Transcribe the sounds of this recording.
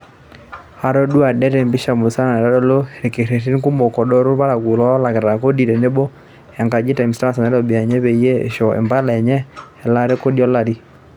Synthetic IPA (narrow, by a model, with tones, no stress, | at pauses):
a˨ɾɔ˦ɗwa˨dɛ˦ɾɛ˨mbɪ˦ʃa˨mʊ˨sa˦na˨nɛ˨ɾa˦dɔ˦lo˦˨ɾe˨ke˨ɾe˨ɾi˦nku˦mɔ˨kɔ˨ɗɔ˦ɾʊ˦ɾpa˦ɾa˨ɡu˨lɔ˦la˨kɪ˨ɾa˨ko˦di˨ɾe˨ne˦bɔ˦ | ɛ˨ŋɡa˨d͡ʒɪ˦ta˨msta˦sa˨nɛ˦lɔ˨bi˨a˨ɲɛ˦be˨˦je˦ḛ˨ʃɔ˨ɛ̰˨mba˦lɛ˨ɲɛ˦ɛ˨la˦ɾe˦ko˦djɔ˦la˨ɾi˦